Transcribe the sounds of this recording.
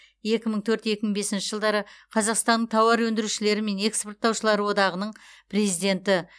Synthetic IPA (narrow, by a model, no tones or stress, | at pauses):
je̞kʲɪməɴt̪ʰɵɾt̪je̞kʲɪməɴbe̞sɪnʃɪʒəlˠd̪ɑɾəqʰɑzɑqst̪ɑnəɴt̪ʰɑwɑɾwɵnd̪ɪɾuʃɪle̞ɾɪme̞ne̞ksport̪ːɑwʃəlˠɑɾəwo̞d̪ɑʁənəɴpʰɾe̞zijd̪e̞nt̪ɪ